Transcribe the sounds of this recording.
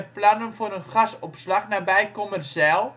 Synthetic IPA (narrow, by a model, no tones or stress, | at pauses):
əplanənfoːrənxasɔpslaxnabɛjkomərzɛlˠ